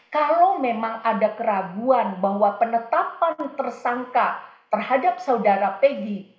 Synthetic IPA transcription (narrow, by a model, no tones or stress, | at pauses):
kalowmemaŋʔadakəɾaɡuanbaɦwapənət̪apant̪ərsaŋkat̪ərhadap̚saudaɾapeɡi